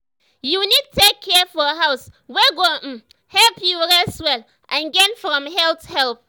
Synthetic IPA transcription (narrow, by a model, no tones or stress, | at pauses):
junid̚tʰekʰːɛfɔəɦaʊswɛɡomm̩ | hɛlpjuɹɛswɛl | ʔãnɡɛnfɹɔ̃mɦɛlthɛlp̚